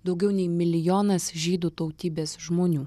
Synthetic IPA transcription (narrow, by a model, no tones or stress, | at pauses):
d̪ɒʊɡʲɛʊnʲɛɪmʲɪlʲɪjoːnɐsʒʲiːd̪ut̪ɐʊt̪ʲiːbʲeːsʒmoːnʲuː